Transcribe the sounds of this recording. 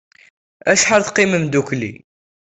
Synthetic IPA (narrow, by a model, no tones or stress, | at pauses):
æʃħaɾθqiməmd̪uklḭ